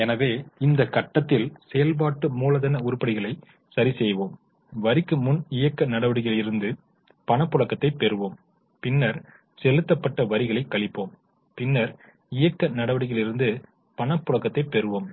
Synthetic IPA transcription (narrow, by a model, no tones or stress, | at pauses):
ɛnɐʋeːɪnd̪ɐkɐʈːɐt̪ːɪlsɛjɐlp̬aːʈːɯmuːlɐðɐnɐʊɾʊpːɐɽɪɣɐɭɐɪ | sɐɾisɛjʋoːm | ʋɐɾɪkːɯmʊnɪjɐkːɐnɐɽɐʋɐɽɪɣɐɭɪɾɯnd̪ɯ | pɐɳɐpːʊɭɐkːɐt̪ːɐɪpːɛɾɯʋoːm | pɪnːɐɾ | sɛlɯt̪ːɐpːɐʈːɐʋɐɾɪɣɐɭɐɪkːɐɭɪpːoːm | pɪnːɐɾ | ɪjɐkːɐnɐɽɐʋɐɽɪɣɐlɪɾɯnd̪ɯ | pɐɳɐpːʊɭɐkːɐt̪ːɐɪpːɛɾɯʋoːm